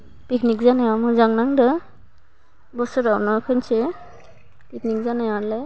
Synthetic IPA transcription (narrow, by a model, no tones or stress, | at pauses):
piknik̚zanajamɔzaŋnaŋdɯ | bɔsɔɾawnɔkʰɯnse | piknik̚zanajwale